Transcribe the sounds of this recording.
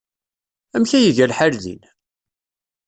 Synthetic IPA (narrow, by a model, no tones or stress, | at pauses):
æmçæjəʝælħaɾðḭn